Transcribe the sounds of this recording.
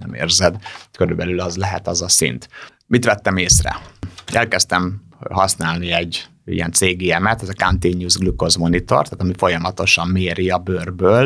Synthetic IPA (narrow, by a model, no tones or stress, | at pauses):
nɛ̰mḛːrzɛd̪køɾylbɛlylɒzlɛɦɛ̰t̪ɒzɒsḭnt̪ | mit̪ʋɛt̪ːɛmeːsrɛ̰ɛlkɛst̪ɛm | ɦɒsnaːlniɛɟː | ḭjɛ̰nt̪seːɡiɛmɛt̪ɛzɒkant̪eːɲjuːzɡliko̞zmo̞nit̪o̞̰rt̪aːt̪ɒmifo̞jɒmɒt̪o̞ʃɒmːeːɾiɒbørbøːl